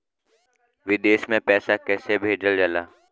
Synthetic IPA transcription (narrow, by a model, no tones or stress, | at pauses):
ʋɪd̪eːʃmẽpɛːsakɛːsebʱeːd͡ʒəld͡ʒəlaː